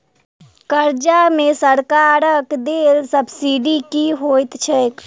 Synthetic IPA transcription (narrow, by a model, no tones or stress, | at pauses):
kəɾd͡ʒamesəɾkaɾəkd̪elsəbʱsiɖikiɦojt̪t͡ʃʰɛk